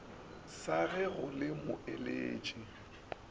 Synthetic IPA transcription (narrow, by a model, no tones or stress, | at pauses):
saɣɛɣʊlɪmʊ̰ɪleːt͡ʃʼi